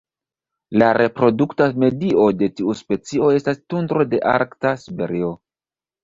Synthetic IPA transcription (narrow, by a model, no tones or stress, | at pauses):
laɾʔe̞pɾo̞duktame̞dio̞de̞tiuspe̞t͡sio̞e̞stastundɾo̞de̞ʔaɾktasibe̞̰ɾio̞